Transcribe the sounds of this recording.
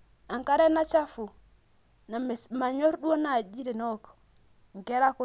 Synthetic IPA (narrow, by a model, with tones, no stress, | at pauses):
a˨ŋka˦ɾe˦na˦t͡ʃa˦fu˨ | na˨ma˨ɲo˦ɾɗu˦o˦na˨d͡ʒi˦ɾi˨no˦˨k | ŋ˨ke˦ɾa˦ku˦